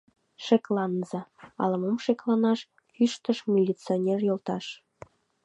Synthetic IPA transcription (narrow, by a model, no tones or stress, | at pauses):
ʃeklɑnzɑɑ̰lə̆momʃeklɑnɑʃ | kyʃt̪əʃmʲilʲit͡sionʲerjolt̪ɑʃ